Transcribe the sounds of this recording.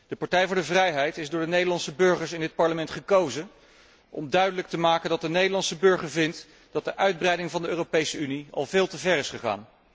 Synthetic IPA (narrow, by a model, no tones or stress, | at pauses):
d̥əpɑɹtɛjvʊːdəvrɛjɦɛjtɪzdʊːɹdənejdəlɑnsəbɵɹχəɹsɪndɪt̚pɑɹləmɛntχəkowzə | ʔɔ̰mdœɥdələk̚təmaːkəndɑt̚dənejdəɹlɑnsəbɵɹχəɹvɪnt | d̥ɑt̚d̥əʔœɥd̚brɛjdɪŋvɑndəøːropejsəyniɑ̰lˠvɪːlˠtəvɛrɪsχəχa̰ːn